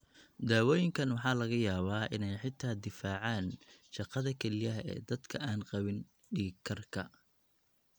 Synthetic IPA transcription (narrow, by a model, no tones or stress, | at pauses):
d̪aːwɔːjɪŋkʰɐnwɑħɑːlɐɣɐjaːβaːʔɪ̰nɛjħɪt̪ʰaːd̪ɪfaːʕɑːnʃɑqɑðɐkʰɛlɪjɐɦɛ̰ːd̪ɐd̪kʰɐʔaːnqɑβɪn | ɖiːkʰɐrkʰɐ